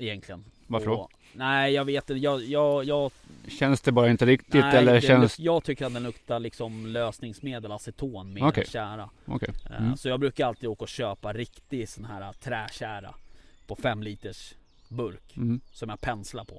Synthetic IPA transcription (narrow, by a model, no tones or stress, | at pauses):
ɪjɛnkʰlɪən | vaɾffəɖɔ | næɪjɑːɡveːt̪ɪnt̪əjɑːjɑːjɑː | ɕɛnsd̪ɛbɑːɾaɪnt̪əɾɪkt̪ɪtːɛlːəɾɛnsjɑːɡt̪ʰʏkːəɾat̪̚d̪ɛnɵkt̪alɪksɔmløːsnɪŋsmeːd̪əlasɪt̪ʰoːnmeːɔkʰɛ̰ɕæːɾa | ɔ̰kʰɛjsɔjɑːɡbɾʉ̟ːkaɾalt̪ʰiːd̪oːkaɔɕøːpaɾɪkt̪ɪsɔnɦæːɾat̪ʰɾɛːɕæːɾa̰pʰɔfɛmːliːt̪əʂ | bɵɾksɔmjaːɡpʰɛnslapʰɔ